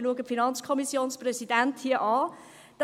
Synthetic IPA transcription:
luəɡəfinɑnt͡skʰɔmisjoːnsprɛsidænthiːɐʔɑː | d̥

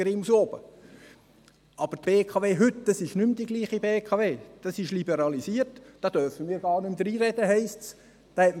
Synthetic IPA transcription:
ɾimusob̥ə | ɑb̥əɾtb̥eːkʰɑːveːɦʏtd̥ɑsɪʃnʏmd̪iɡliːχibeːkʰɑveːd̥ɑsɪʃlibɛɾɑlisiːəɾtd̥ɑːd̥œɾfəmiːɾɡɑːɾnʏmd̪ɾiːɾɛd̥əɦɛɪsts | d̥ɑːhɛt

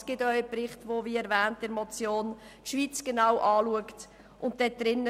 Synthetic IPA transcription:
sɡ̥ɪtœʏəprɪχtvoviːɛɾvɛːntɪɾmɔt͡sjoːntʃviːt͡sɡ̥enawʔɑːluəkt | ʔʊntd̥ɛd̥ɾɪnːə

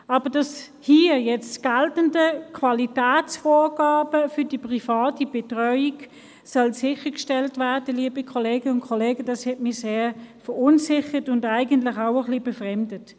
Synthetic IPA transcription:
ɑːb̥əd̥ɑs | hiːjɛt͡stɡ̥altəndəkʰvɑlitɛːt͡sfoːʁɡ̥ɑːbəfʏd̥ipʁifɑːtib̥ɛtʁœʏiɡ | sœlsɪχəkʃtɛltvæɐd̥əliəbikʰɔleːɡəʊntkʰɔleːɡəd̥ɑshɛtmiseːfəʁʊnsɪχətʊndaɪɡəntlɪχaʊəχlibɛfʁɛmdət

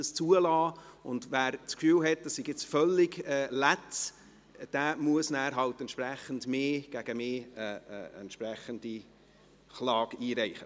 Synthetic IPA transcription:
əst͡suəlɑːʊndʋæːɾt͡skfyːlɦɛt̚d̥ɑssɪɡjɪt͡sfœlːɪɡɛːlæts | d̥æːmuəsnæːɾɦɑltɛntʃprɛχəndmeːɡ̥æɡ̥əmeːɛ̰ɛ̰ntʃprɛχənd̥i | χlɑːɡiːɾɛɪχə

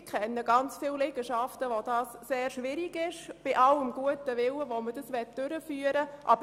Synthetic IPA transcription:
kʰχɛnːəɡɑnt͡sfiwlɛɡ̥əʃɑftəʋod̥ɑːsːeːɾʃʋɪɾiɡɪʃb̥ɪʔɑləmɡ̥uətəʋɪwəʋomədəsʋɛt̚d̥øɾəfyːəɾəʔɑ̰b

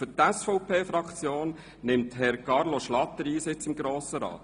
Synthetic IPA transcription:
fʏtɛsfɔʊpʰeːfɾɑkt͡sjoːn | nɪmthɛɾkɑɾloʃlɑt̪ːəɾiːsɪt͡sɪmɡɾoːsəɾɑ̰ːt̪

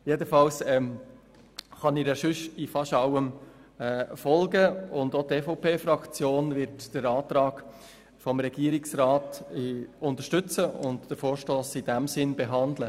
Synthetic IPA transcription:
jedəfɑlsɛm | χɑnɪɾjaʃʏʃɪfɑʃɑwəmɛːfɔlɡəʊndotɛfɔʊpʰeːfɾɑkt͡sjoːnvɪɾtd̥əɾɑːtɾɑːɡ̥ | fɔmɾɛɡ̥iəɾɪksɾɑːt | ʊntəʃtʏt͡səʊntd̥əfoːʃtoːsɪd̥æmsɪnbeɦɑndlə

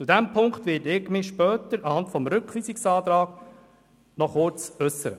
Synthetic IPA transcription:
t͡sud̪ɛmpʰʊŋkt̪ʋɪdɪɡmɪʃpœːt̪əɾɑhɑntfɔmɾʏkχʋiːsiksɑːt̪ɾɑːɡ̥ | nɔχʊɾt͡sɵsːəɾə

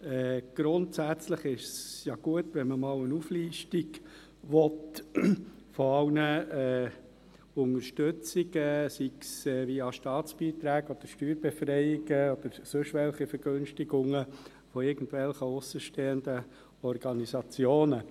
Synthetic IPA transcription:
ɛːɡ̥ɾʊntsæt͡sləχɪʃsjɑɡ̥uətʋɛnməmɑːlənufliːʃtiɡ | ʋɔt | fɔɑwnəɛː | ʊŋəʃtøt͡siɡəsiksɛːʋiɑʃtɑːt͡sb̥iːt̪ɾæːɡɔd̥əɾʃtyːɾb̥efrɛɪiɡ̥əɔd̥əɾsɵʃʋɛlχifəɾɡ̥ønʃtiɡʊŋə | fɔɪrɡ̥ən̩dvɛlχəʊsəʃteːəndə | ɔɾɡ̥ɑnisɑt͡sjoːnə

